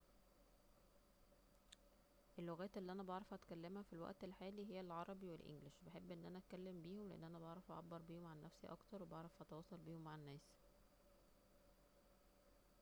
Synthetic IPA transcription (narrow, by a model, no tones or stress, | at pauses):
ʔelːoɣæːt̪ʔelːiːʔænæbɑʕɾˤɑfʔæt̪kælːemhæfilwæ̰ʔt̪elħaːliɦejːælʕɑɾˤɑbiwelʔḛŋɡlɪʃbeħebːʔenːʔænæʔæt̪̚kælːembiːhomleʔḛnːʔænæbɑʕɾˤɑfʔæʕɑbːɑɾˤbiːhomʕanːæfsiʔɑ̰kt̪ɑɾˤwebɑʕɾˤɑfʔæt̪ɑwɑːsˤɑlbiːhomːaʕenːæːs